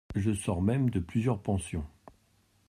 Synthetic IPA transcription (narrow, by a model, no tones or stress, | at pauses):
ʒəsɔʁmɛmd̪əplyzjœʁpɑ̃sjɔ̃